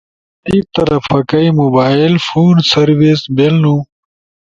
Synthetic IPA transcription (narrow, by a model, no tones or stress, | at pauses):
iːk̚t̪ɐɾɐfɐkɐimubaːilfuːnsɐɾʋisbelnũ